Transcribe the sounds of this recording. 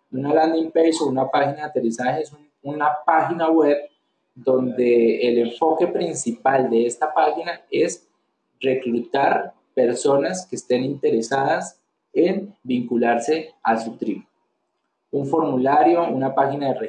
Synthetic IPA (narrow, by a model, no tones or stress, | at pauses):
unaland̪impejsounapaxinaðeat̪erisaxesu | unapaxinaweβ | d̪o̞nd̪e̞ːleɱfo̞ke̞pɾinsipald̪e̞est̪apaxinaes | re̞kɾut̪aɾ | pe̞ɾso̞naskeːst̪e̞nint̪e̞ɾesaðas | enbiŋkulaɾse̞asut̪ɾi | uɱfo̞ɾmulaɾjo̞unapaxinaðere